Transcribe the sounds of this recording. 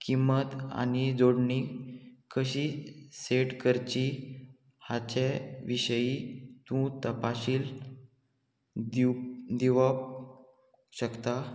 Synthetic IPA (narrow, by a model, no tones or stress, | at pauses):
kimət̪a̰ñid͡zoɽɳikəɕiːseʈkəɾt͡ɕi | hat͡ɕeʋiɕəjit̪ũt̪əpaɕiːl | d̪iʋəp | ɕəkt̪a